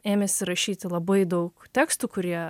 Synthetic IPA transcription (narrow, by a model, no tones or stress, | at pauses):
eːmʲɛsʲɪɾɐʃʲiːt̪ʲɪlˠɐbɐɪd̪ɐʊkt̪ʲæːkst̪uːkʊɾʲiɛ